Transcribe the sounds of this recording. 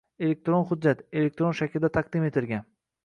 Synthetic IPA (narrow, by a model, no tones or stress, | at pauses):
e̞le̞k̚ʲt̪ɾonχʊd̪̚d͡ʒːat̪e̞lek̚ʲt̪ɾonʃakʲɪlɪd̪at̪ʰaq̚d̪ɪme̞t̪ʰɪɾɡʲan